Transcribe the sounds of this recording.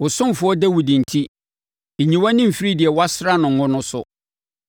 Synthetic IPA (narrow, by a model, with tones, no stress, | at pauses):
wʊ˨sʊ̃˦m˨fʊ˨˦ɔ˦dæ˦wi˨dĩ˨n̩˨tʰi˦ | e˨ɲĩ˨wa˦nɪ̃˦m̩˨fi˦ɾi˦dɪ˨ɛ˨wa˦sɾa˦nʊ̃˨ŋ̩˨ŋʊ̃˦nʊ̃˦sʊ̰˨